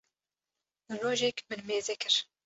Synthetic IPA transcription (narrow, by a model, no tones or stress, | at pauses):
roːʒɛkmɨnmeːzɛkʰɨɾ